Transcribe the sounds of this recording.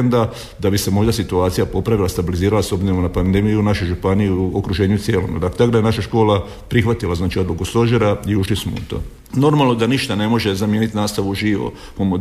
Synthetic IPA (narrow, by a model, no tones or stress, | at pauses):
nd̪a | d̪abise̞mo̞jd̪asit̪uaːt̪sijapo̞pɾaʋilˠast̪abiliziːɾalasobzeonapand̪e̞mijunaʃojʒupaniuuo̰kɾuʒe̞ːɲut̪sijeːlo̰mṵd̪aklet̪akd̪ajenaʃaʃko̞ːla | pɾixʋat̪ilazaːt͡ʃio̞d̪lukust̪o̞ʒeɾaiuʃlismout̪o̰ː | no̞ɾmalˠnod̪aniʃt̪ane̞mo̞ʒe̞zamjenit̪naːst̪aʋuʒiʋo̰pomo